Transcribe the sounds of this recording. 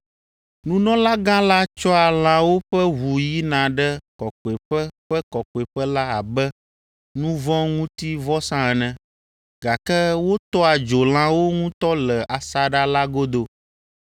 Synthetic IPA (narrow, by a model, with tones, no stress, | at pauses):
nũ˦nɔ̃˦la˦ɡã˦la˦t͡ʃɔ˦a˨l̃ã˨wo˦ɸɛ˦ɦu˨ji˦nã˨ɖɛ˦kɔ˨kɔ˨ɛ˨ɸɛ˦ɸɛ˦kɔ˨kɔ˨e˨ɸɛ˦la˦a˨bɛ˦ | nũ˦vɔ̃˦ŋũ˦t̪i˦vɔ˦sã˦ɛ˨nɛ̃˨ | ɡa˨kɛ˦wo˦t̪ɔ˦a˨d͡ʒo˨l̃ã˨wo˦ŋũ˦t̪ɔ˦lɛ˨ʔa˨sa˨ɖa˦la˦ɡo˦d̪o˦